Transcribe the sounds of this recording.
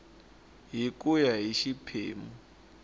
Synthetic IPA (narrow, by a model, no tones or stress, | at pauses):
ɦikʼujaɦiʃipʰḛːmu